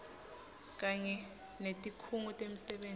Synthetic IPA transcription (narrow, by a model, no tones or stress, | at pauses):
k̬ʼaɲɛ | netʼikʰuŋutʼem̩sɛɓeːn